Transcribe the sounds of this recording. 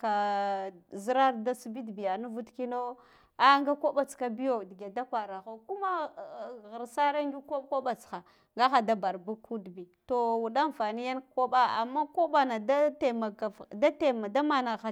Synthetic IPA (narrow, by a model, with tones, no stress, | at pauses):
ka˨ | zi˦ɾa˦ɾda˦sbi˦dbi˨ja˨nu˦vu˦tki˦no˦ | a˦ŋɡa˦ko˦ɓa˨t͡ska˨bi˦jo˨di˨ɡe˨da˦kʷa˨ɾa˨xo˦ku˦ma˦ | ɣə˨ɾsa˦ɾa˦n˦d͡ʒu˦ko˦bko˦ɓa˨t͡sxa˨ | ŋɡa˦xa˨da˦ba˨ɾbu˦ku˦dbi˨to˨wu˨ɗa˦nfa˨ni˦ja˦n˦ko˦ɓa˦a̰˨mːa˦ko˦ɓa˨na˨da˦te˨ma˨ɡa˨da˦te˨ma˨da˦ma˨na˨ɣa˨